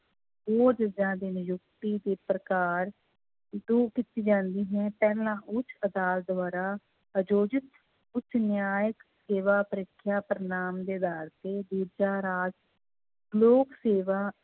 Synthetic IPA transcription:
boːd͡ʒəd͡ʒãːd̪ɪnjʊk̚t̪iːd̪eːpɾəkaːɾ | d̪uːkɪt̪iːd͡ʒãːnd̪iːɦɛ̃ːpɛːlãːʔʊt͡ʃʰəd̪aːlt̪̚d̪waːɾaː | əd͡ʒoːd͡ʒɪt̪ | ʊt͡ʃʰnjaːjəkseːʋaːpəɾɪkʰːjaːpɾənaːmd̪eːəd̪aːɾt̪eːd̪iːɾd͡ʒaːɾaːd͡ʒ | loːkseːʋaː

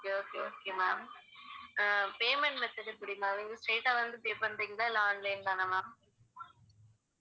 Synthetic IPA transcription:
okeoːkːeoːkemaːm | peːmɛɳʈʋɛt͡ʃːɐʈɯpʊɽɪmãʋiŋɡɐsʈeːʈaːʋɐnd̪ɯpeːpɐnɾiːŋɡɐɭaːlːaːnlɐɪnd̪aːnɐmaːm

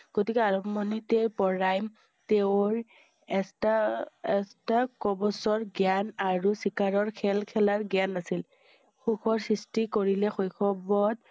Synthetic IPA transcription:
ɡ̥otikɛaɹɔpmɔnitepɔɹajm | teʊɹ | ɛstaɛstakɔbɔsɔɹɡjanaɹusikaɹɔɹkʰɛlkʰɛlaɹɡjanasil | xuxʰɔɹsɹistikoɹilɛxojkʰɔbɔd

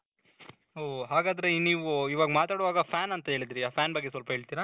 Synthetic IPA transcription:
oːɦaːɡaːd̪ɐɾeniːʋuiʋaːɡɐmaːt̪aːɽʋaːɡɐpʰaːnɐnt̪ɐɦeːɭid̪ɾiaːpʰaːnbɐɡːesʋɐlpɐɦeːɭt̪iːɾa

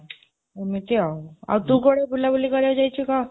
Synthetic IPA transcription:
emit̪iaa̰wt̪ũkoɽebulːabulikəɾjad͡ʑajt͡ɕika

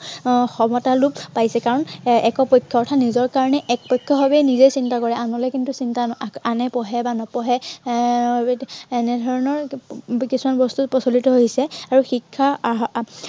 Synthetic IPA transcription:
xɔmɔtalup̚pajsɛkaɹɔnɛkɔpɔjkʰːɔɔɹtʰanizɔɹkaɹɔnɛʔɛk̚pɔjkʰːɔɦɔbɛnizejsintakɔɹɛanɔlɛkintusintaanɛpɔɦɛbanɔpɔɦɛ | ɛnɛdʱɔɹɔnɔɹkisumanbɔstutpɔsolitɔɦoisɛaɹuxikʰːa

